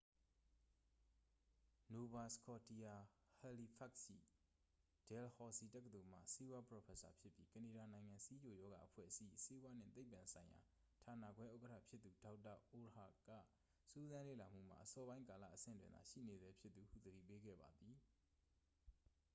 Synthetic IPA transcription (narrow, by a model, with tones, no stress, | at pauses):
no˨ba˨skʰɔ˨ti˨ja˨ha˨li˨pʰa˦˨ksʃḭ˦˨ | d̥ɛ˨lhɔ˨si˨tɛ˦k̬ːə˨t̪o˨m̥ä̰˦˨si˦bwa˦pə˨ɔ˨pʰɛ˦˨sa̰˨pʰjɪ˦pji˦kəne˨ɾa˨nã˨ɪ̃ŋã˨si˦d͡ʑo˨jɔ˦ɡa̰˨ʔəpʰwɛ̰˦˨ʔəsḭ˦˨se˦wa˦nɪ̰̃˦˨t̪e˦ɪpːã˨nsʰã˨ɪ̃ja̰˨ | tʰa˨na̰˦˨ɡwɛ˦ʔo˦kətʰa̰˦˨pʰjɪ˦t̪ːu˨da˦ʊʔtːa̰˦˨ʔo˨ha̰˦˨kä̰˦˨ | su˦zã˦lḛ˦˨la˨m̥ṵ˦˨m̥a̰˦˨ʔəsɔ˦bã˦ɪ̃ŋka˨la̰˦˨ʔəsɪ̰̃˦˨n˨twɪ̰̃˨na˨ʃḭ˦˨ne˨zɛ˦pʰjɪ˦t̪t̪ːu˨hṵ˦˨d̪əɾḭ˦˨pe˦ɡɛ̰˦˨ba˨d̪i˨